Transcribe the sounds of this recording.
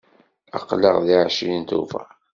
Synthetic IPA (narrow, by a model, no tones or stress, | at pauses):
ɑ̰qːləʁðiʕʃint̪ṵfæ̰